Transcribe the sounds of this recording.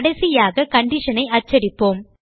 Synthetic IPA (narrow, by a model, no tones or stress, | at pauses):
ɽɐɪsɪjaːɣɐkɐɳɖɪʂɐnɐɪɐt͡ʃːɐɾɪpːoːm